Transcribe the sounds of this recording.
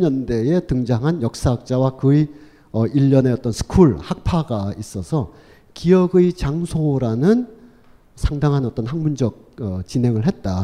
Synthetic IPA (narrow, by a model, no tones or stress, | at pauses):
ɲʌnde̞etɯŋd͡ʑaŋɦanjʌk̚s͈aɦak̚t͡ɕ͈awakɯi | ʌiʎːʌne̞ʌt͈ʌnsʰɯ̥kʰuɭhak̚pʰaɡais͈ʌsʰʌ | kijʌɡɯit͡ɕaŋsʰoɾanɯn | sʰaŋdaŋɦanʌt͈ʌnɦaŋmund͡ʑʌk̚ʌt͡ɕinɦe̞ŋɯɭɦe̞t̚t͈a